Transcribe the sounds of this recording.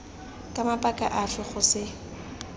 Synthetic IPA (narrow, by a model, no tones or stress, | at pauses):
kʼamapʼakʼa̰ʔafɪχʊsɪ